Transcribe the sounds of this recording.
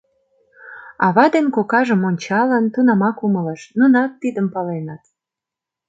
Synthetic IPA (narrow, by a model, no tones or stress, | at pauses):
ɑβɑd̪enkokɑʒəmonʲt͡ɕɑlənt̪unɑmɑkumələʃnunɑk̪̚t̪id̪əmpɑlenət̪̚